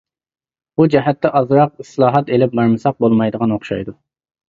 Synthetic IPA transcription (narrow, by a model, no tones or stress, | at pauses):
bud͡ʒɛɦɛt̪ːɛʔɑzɾɑq̚islˠɑːɦɑt̪elɪp̚bɑɾmɨsɑq̚bolˠmɑjd̪əʁɑnoχʃɑ̰jd̪u